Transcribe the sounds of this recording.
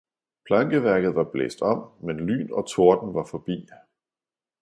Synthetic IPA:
pʰlɑ̈ŋɡ̥əʋæɐɡ̥ð̞̩ˠʋɑ̈b̥lḛːsd̥ɒ̽m̰menly̰ːnɒ̽t͡sʰo̝ɐd̥n̩ʋɑ̈fɒ̽b̥ḭː

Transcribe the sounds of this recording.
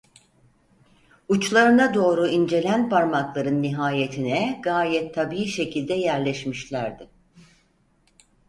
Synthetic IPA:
ut͡ʃlˠaɾɯnad̪o̞ːɾuind͡ʒe̞lʲænpaɾmaklˠaɾɯnːiɦaːje̞t̪ʰinɛɡaːjɛt̪ʰːabiiʃe̞cʰilʲd̪ɛjæɾlʲɛʃmiʃlʲæɾd̪ɪ

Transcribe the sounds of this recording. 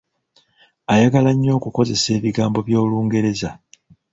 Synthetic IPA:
ajaɡalaɲːo̞ːkuko̞ze̞se̞ːβiɡaːmbo̞βjo̞ːluːŋɡe̞ɾe̞za

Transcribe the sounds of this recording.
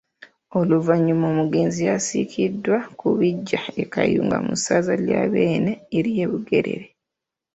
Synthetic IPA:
o̞luvaɲːumoːmuɡe̞ːnzijasḭkʰidːwakuβiɟːae̞kajuːŋɡa̰mṵsazaljaːβe̞ːneːɾije̞ːβuɡe̞ɾe̞̰ɾe

